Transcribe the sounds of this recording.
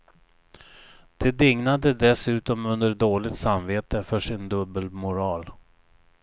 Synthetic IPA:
d̪̥ɛd̪ɪŋnad̪əd̪ɛsʉ̟ːt̪ɔmɵnd̪əɖoːlɪɡt̪samveːt̪əfœʂɪnd̪ɵbəlmʊɾɑːl

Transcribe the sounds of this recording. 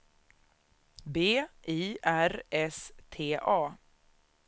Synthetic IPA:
beːʔiːʔæɾʔɛst̪ʰeːʔɑː

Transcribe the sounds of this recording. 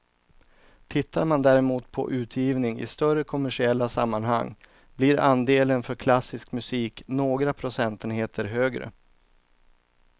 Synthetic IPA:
t̪ʰɪt̪ːaɾmand̪æːɾɛmuːt̪pʰɔ̰ʔʉ̟ːt̪ʰjiːvnɪŋɪ̰st̪œrəkʰɔmæʂɪɛlːasamːanɦa̰ŋː | blɪɾand̪eːlənfœɾkʰlasːɪskmɵsiːknoːɡɾapʰɾʊsɛnt̪ənɦeːt̪ʰəɾɦøːɡɾə̰

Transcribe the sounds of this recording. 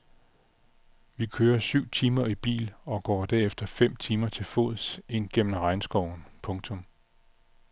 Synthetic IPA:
ʋikʰøːɐsyʊ̰t͡sʰiːmɐib̥ḭːlɒ̽ɡ̥ɒ̰ːd̥æɐefd̥ɐfem̰t͡sʰiːmɐt͡sʰe̝lfo̝̰ð̩ˠse̝n̰ɡ̥en̰n̩ʁɑ̈ɪnsɡ̥ɒʊ̰n̩pʰɔ̽ŋt͡sʰɔ̽m

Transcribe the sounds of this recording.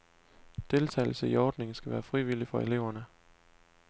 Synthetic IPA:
d̥e̝lt͡sʰɛ̰ɪl̩səiɒːd̥ne̝ŋ̩sɡ̥æʋæːɐfʁiʋilifɒ̽e̝le̝ʊ̰ɐnə

